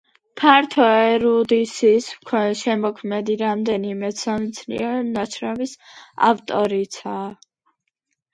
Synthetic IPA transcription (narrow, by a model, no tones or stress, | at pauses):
pʰaɾt̪ʰɔɛɾud̪isiskʰwɛʃɛmɔkʰmɛd̪iɾamd̪ɛnimɛsamit̪sʰnḭɛɾnat͡ʃʰɾɛmisa̰ft̪ʼɔɾit̪sʰaː